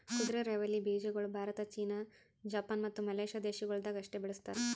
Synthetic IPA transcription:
kud̪ɾeɾeʋɐlːibiːd͡ʒɐɡɐɭubʱaːɾɐt̪ɐt͡ʃiːnɐ | d͡ʒaːpaːnmɐt̪ːumɐleːʃad̪eːʃɐɡɐɭd̪ɐːɡɐʂʈebiɭust̪aːɾe

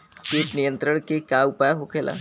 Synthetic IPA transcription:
keːʈnijənt̪ɾəɳkekaupajaɦokʰelʔa̰

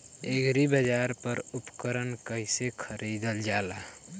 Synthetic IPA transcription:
eɡɾibəd͡ʒaɾpəɾupkəɾənkəɪsekʰəɾid̪əld͡ʒala

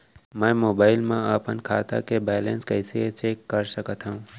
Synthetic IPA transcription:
mɛ̃ːmoːbaːɪlmẽaːpənkʰaːt̪a̰kebɛːlẽnskəɪset͡ʃeːkːɐɾsəkət̪ɦũː

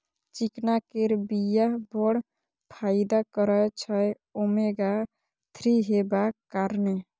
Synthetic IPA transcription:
t͡ʃiknakeɾbijaɦbɔɽ | pʰaɪd̪akəɾət͡ʃʰəj | omeɡa | t̪ʰɾiɦebakːaɾne

